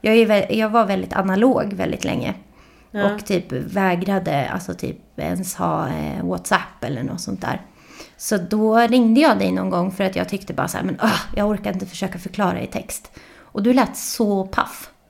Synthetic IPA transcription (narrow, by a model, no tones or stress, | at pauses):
jɑːɡævɛjɑːɡvaɾvɛld̪ɪt̪ʰa̰naloːɡvɛ̰ld̪ɪt̪lʔɛ̰ŋːə̰ | ʔɔkt̪ʰyːpvɛːɡɾad̪əa̰lsɔt̪ʰy̰ːpɛ̰nshɑːwɔt̪sapːɛlːəɳɔ̰t̪sɔnt̪̚d̪æ̰ːɾ | sɔd̪ɔɾɪŋd̪əjɑːɡd̪ɛjnɔnɡɔŋːfœɾat̪jɑ̰ːɡt̪ʰʏkt̪əbɑ̰ːɾasæ̰ːɾmɛnɔhjɑːɡɔɾkaɾɪnt̪əfœ̥ʂøːkafœɾkʰlɑːɾa̰ɪ̰t̪ʰɛkst̪ | ʔɔd̪ɵlæːt̪sɔpʰa̰f